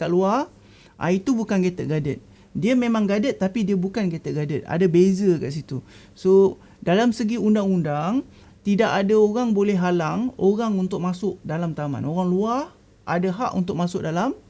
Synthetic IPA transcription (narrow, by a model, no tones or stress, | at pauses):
kaʔluah | ʔa̰it̪ubukanɡet̪əʔɡadət̪̚ | diəmẽmãŋɡadət̪ːapidiəbukanɡet̪əʔɡadət̪̚a̰dabezəkaʔs̬it̪u | so | dalamsəɡiundaŋundaŋ | t̪idaʔadaoɣaŋbolɛɦɦalaŋoɣaŋunt̪ʊk̚masʊʔ̚dalamt̪ama̰noɣaŋluah | ʔadaɦaʔṵnt̪ʊk̚masʊʔ̚dalam